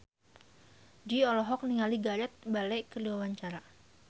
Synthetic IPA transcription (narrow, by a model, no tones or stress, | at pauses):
diɔlɔɦɔk̚niŋaliɡajɛt̪̚balɛkəduawaɲt͡ʃaɾa